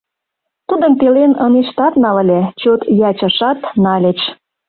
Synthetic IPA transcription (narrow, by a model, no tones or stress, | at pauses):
t̪ud̪əmt̪elenəneʃt̪ɑt̪nɑlə̆lʲet͡ɕot̪jɑt͡ɕə̆ʃɑt̪nɑlʲet͡ʃ